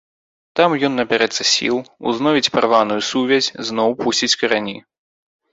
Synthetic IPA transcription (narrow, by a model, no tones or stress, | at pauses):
t̪amjɔnːɐbʲɛɾɛt̪sɐsʲḭlˠṵznɔvʲit͡sʲpaɾvanujusuvʲɛzʲznɔwpusʲt͡sʲit͡sʲkɐɾanʲi